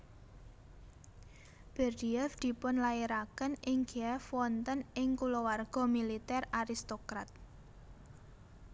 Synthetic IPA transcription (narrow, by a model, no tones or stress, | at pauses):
b̥ɛrd̪iɛfd̪̥i̤pʊnlaeɾakənʔɪŋɡiɛfwɔnt̪ənɪŋkulowarɡ̥ɔ̤milit̪ɛraɾist̪okɾat̪̚